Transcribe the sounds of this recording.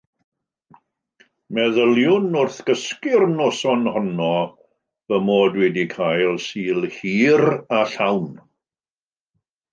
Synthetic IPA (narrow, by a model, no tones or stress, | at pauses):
mɛðəlˠjʊnʊrθɡ̥əskɪrnoːsɔnhɔnɔ | vəmoːdwɛdikʰaːjlˠsiːlˠhiːɾaɬawn